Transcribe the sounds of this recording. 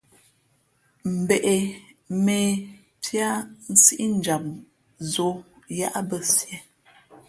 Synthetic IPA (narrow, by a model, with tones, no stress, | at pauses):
m̩˨be˨ʔe˨ | me˨ | tʰja˦n̩˦si˦ʔi˦n̩˨d͡ʒa˨p̚ | zo˦ | ja˦ʔa˦bə˦sjɛ˨˦